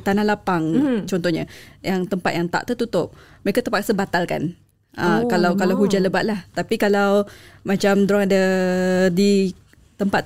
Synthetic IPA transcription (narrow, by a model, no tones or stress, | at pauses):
t̪anahlapaŋt͡ʃɔnt̪ɔhɲajaŋt̪əmpat̪̚jaŋt̪a̰ʔt̪ət̪ut̪ʊp̚məɾekat̪əpaksabat̪alka̰n | ʔəkalawkalawɦud͡ʒaləbaʔ̪̚laht̪apikalawmat͡ʃamd̪oɾaŋada | di | t̪əmpat̪